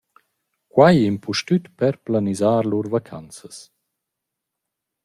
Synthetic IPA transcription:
kwajimpuʃtytpɛɾplanizaːɾluɾvakʰant͡səs

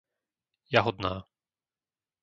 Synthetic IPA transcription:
jaɦɔd̪naː

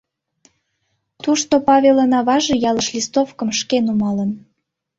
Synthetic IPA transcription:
t̪uʃt̪opɑβʲelənɑβɑʒejɑləʃlʲist̪ofkəmʃkenumɑlən

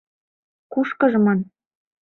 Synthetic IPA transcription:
kuʃkɤ̆ʒmɤn

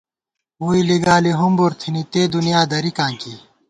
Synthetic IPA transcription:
uːiliɡaːliɦumbuɾt̪ʰinit̪eːd̪unijaːd̪ɐɾikãːŋki

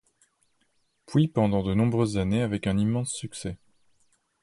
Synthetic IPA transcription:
pwipɑ̃d̪ɑ̃d̪ənɔ̃bʁøzːaneavɛkɛ̃nimɑ̃sːyksɛ

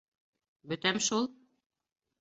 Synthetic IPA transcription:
bɵ̆t̪æmʃulˠ

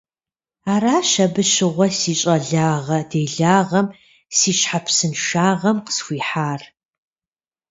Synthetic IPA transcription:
aːɾaːʃɐbɨʃɪʁʷɔsiːt͡ʃʼɐɮaːʁɐdejɮaːʁɐm | siːɕħapʰsɨnʃaːʁɐmqə̥sxʷiːħaːr

